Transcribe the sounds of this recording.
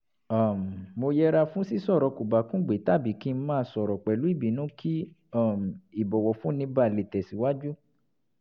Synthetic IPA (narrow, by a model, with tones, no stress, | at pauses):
a˨m˨mo˧jɛ˦ɾa˧fũ˦si˦sɔ˦˨ɾɔ˨˧˦ku˨ba˨kũ˦ɡ͡be˨˦ta˦˨bi˨˦ki˦˧˦mãː˦˧˦sɔ˨ɾɔ˨k͡pɛ˨lu˨˦i˦˨bi˨˦nũ˨˦kʰi˦ | a˦˨m˨i˨bɔ˨wɔ˨fũ˦nĩ˧ba˦˨le˨tɛ˨si˨˦wa˦d͡ʒu˦